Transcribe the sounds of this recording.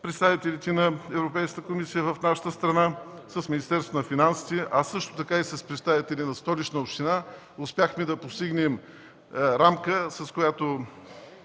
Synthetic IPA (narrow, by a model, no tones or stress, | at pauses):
pɾɛt̪st̪avit̪ɛlit̪ɛnɐɛvɾopɛjskət̪əkomisijəvəfnaʃə̥t̪əst̪ɾɐnasɐsminist̪ɛɾst̪vʊnɐfinansi̥t̪ɛʔɐsɤʃt̪o̥t̪ɐkaisɐspɾɛt̪st̪avit̪ɛlinɐst̪ɔlit͡ʃnəopʃt̪ina | ʊspʲjaxmid̪ɐpost̪iɡnɛm | ɾamkəsɐskoʊjat̪o